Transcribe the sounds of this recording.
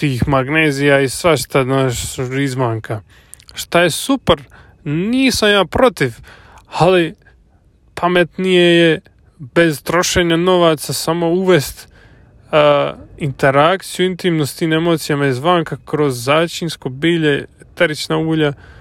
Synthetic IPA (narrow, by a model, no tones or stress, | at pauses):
t̪iːxmaɡneːzijaisʋaʃt̪aznaːʃizʋaːŋka | ʃt̪ajesupɾ | niːsamjaːpɾo̞t̪iʋ | ali | pʰamet̪nijeje | be̞zt̪ɾo̞ʃe̞ːɲano̞ʋat̪sasamo̞uʋe̞st̪ː | int̪e̞ɾak̚t̪sijuint̪imnost̪iːme̞mo̞ːt̪sijamaizʋaːŋkakɾo̞zːaːt͡ʃinsko̞biːʎet̪eɾit͡ʃnauːʎa